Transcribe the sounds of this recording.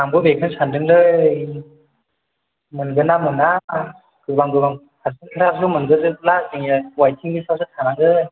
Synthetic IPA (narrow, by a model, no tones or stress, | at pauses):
aŋbɯbekʰɯnsandɯŋdɯ | mɯnɡɯnamɯna | ɡɯbaŋɡɯbaŋ | kʰasɯŋkʰɯɾabsɯmɯnɡɯdɯlaseŋwajtʰiŋbɯsʰawsʰɯtʰanaŋɡɯ